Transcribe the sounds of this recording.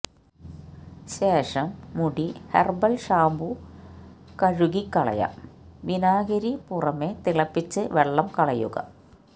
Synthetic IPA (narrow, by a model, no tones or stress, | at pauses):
ɕeːʂɐmːuɽihḛrbɐlɕaːmbu | kɐɻuɣikːɐɭɐ̰ja̰ | ʋinaːɣɐɾipurɐmet̪iɭɐpːit͡ɕːɨʋeɭːɐmkɐɭɐjṵɣɐ̰